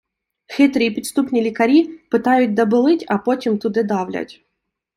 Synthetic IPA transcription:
xɛt̪ɾɨjpʲɾʲɪt̪st̪upnʲilʲɪkɐɾʲipɨt̪ajʊt̚ʲd̪ɐbɨlˠɨtʲɐpotʲɪmt̪ʊd̪ɨd̪avlʲa̰tʲ

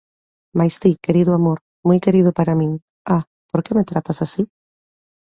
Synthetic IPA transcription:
majst̪ikeɾiðʊamoɾ | mojkeɾiðʊpaɾamĩŋ | a | poɾkemet̪ɾat̪asasi

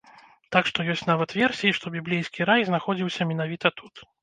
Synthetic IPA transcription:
t̪akʂt̪ɔjɔsʲt͡sʲnavɐt̪vʲɛrsʲijiʂt̪ɔbʲiblʲijskʲiɾajznaxɔd͡zʲiwsʲɐmʲinavʲit̪ɐt̪ʰut̪

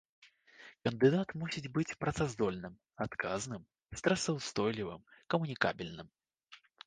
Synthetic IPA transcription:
kɐnd̪ɨd̪at̪musʲid͡zʲbɨt͡sʲpɾɐt̪sazd̪ɔlʲnɨm | at̪kʰaznɨm | st̪ɾɐsɐwst̪ɔjlʲivɨ̰mkɐmunʲikabʲilʲnɨm

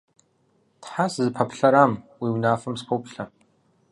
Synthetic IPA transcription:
tħasɨzɨpʰɐpɬɐɾaːmwiːwnaːfɐmspʰowpɬɐ

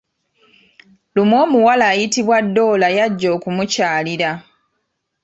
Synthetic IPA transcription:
lumo̞ːmuwalaːjitiβwadːo̞ːlajaɟːo̞ːkumucaːliɾa

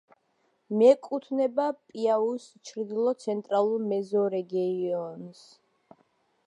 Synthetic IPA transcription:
mɛkʼut̪ʰnɛbapʼiaust͡ʃʰɾd̪ilˠɔt̪sʰɛnt̪ʼɾalˠuɾmɛzɔɾɛɡiɔns

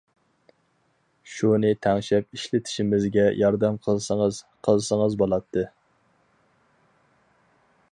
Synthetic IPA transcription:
ʃunɨt̪ʰæŋʃɛp̚iʃlɪt̪ʰɪ̥ʃimɪzɡʲɛjʔɑɾd̪ɛmqʰəlˠsəŋəz̥ | qʰəlˠsəŋəzbolˠɑt̪ʰːɨ

